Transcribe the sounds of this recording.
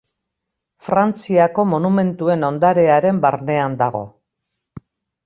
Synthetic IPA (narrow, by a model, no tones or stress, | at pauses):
fɾant͡siako̞mo̞nume̞nt̪ue̞no̞nd̪aɾe̞aɾe̞mbaɾne̞and̪aɣo̞̰